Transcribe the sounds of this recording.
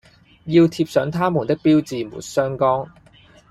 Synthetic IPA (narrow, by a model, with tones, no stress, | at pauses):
ji˧wt̪ʰiː˧p̚sœː˨˥ŋt̪ʰaː˥mu˨˩nt̪ɪ˥k̚piː˥wt͡siː˨mṵː˨˩nsœː˥ŋkɔː˥ŋ